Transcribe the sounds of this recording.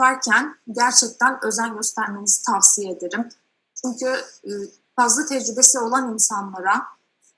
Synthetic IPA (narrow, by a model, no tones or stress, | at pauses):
aɾcʰænɟæɾt͡ʃʰɛc̚t̪ʰænø̞zænɟø̞st̪ʰæɾme̞nizi̥t̪ʰafsijeed̪eɾim | t͡ʃʰyɲcʰy | fazlˠat̪ʰɛd͡ʒɾybe̞sio̞lˠaninsanlˠaɾa